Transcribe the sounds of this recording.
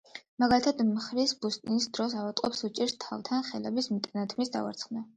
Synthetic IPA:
maɡalit̪ʰad̪mχɾisbust̪ʼniisd̪ɾɔsavat̪ʼqʼɔpsut͡ʃʼiɾst̪ʰa̰vt̪ʰanχɛlɛbismt̪ʼɛnat̪ʰmisd̪a̰va̰ɾt̪sʰχna

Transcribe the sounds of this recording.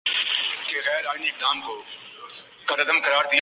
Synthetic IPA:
keːɣɛːɾaːɪniːɪk̚d̪aːmkoː | ɡəɾəd̪əmkəɾaːɾd̪ɪj

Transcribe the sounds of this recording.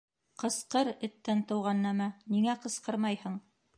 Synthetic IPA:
qɤ̆sqɤɾɘ̆t̪ːænt̪ɤ̆wʁɑnːæmæniŋæqɤ̆sqɤɾmɑjhɤɴ

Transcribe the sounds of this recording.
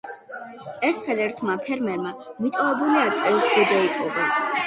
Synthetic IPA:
ɛɾt̪ʰχɛlɛɾt̪ʰmapʰɛɾmɛɾmamit̪ʼɔvɛbuliaɾt̪sʼɛvisɡɔd͡ʒaipʼɔʁɛ

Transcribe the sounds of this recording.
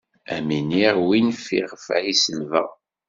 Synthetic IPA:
æminiʁwinfḭʁfæisəlvə̰

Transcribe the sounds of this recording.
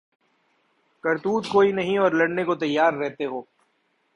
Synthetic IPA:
kɐɾt̪uːd̪koːinɐɦĩɔːɾlɐɽnekot̪ɐjːaːɾːɛɦt̪eɦoː

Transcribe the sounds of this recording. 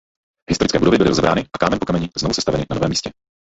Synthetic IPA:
ɦɪst̪oɾɪt͡skɛːbudovɪbɪlɪɾozɛbɾʔaːnɪʔakaːmɛnpokamɛɲɪznovusɛst̪avɛnɪnanovɛːmiːscɛ

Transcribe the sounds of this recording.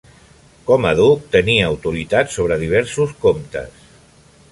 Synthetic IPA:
kɔməðuk̚t̪əniəːwt̪uɾit̪atsoβ̞ɾəðiβ̞ɛɾsuskomt̪ə̰s

